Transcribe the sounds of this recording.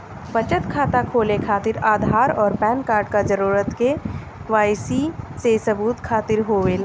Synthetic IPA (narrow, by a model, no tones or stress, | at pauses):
pɐt͡ʃət̪kʰaːt̪akʰoːlekʰaːt̪ɪɾaːd̪ʱaːɾɔːɾpɛ̃ːnkaːɾɖ̚kad͡ʒəɾuːɾət̪ke | ʋaːjsisesɐbuːt̪kʰaːt̪ɪɾɦoːʋela